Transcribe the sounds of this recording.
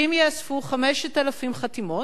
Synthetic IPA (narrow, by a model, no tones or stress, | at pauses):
imjeasfuχameʃt̪alafimχat̪imo